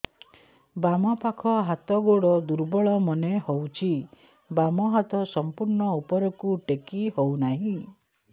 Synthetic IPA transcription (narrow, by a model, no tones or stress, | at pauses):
bamɔpakʰɔɦat̪ɔɡoɽɔd̪uɾbɔɭɔmɔnehowt͡ʃʰi | bamɔɦat̪ɔsɔmpuɾɳɔupɔɾɔkuʈekihownaɦĩ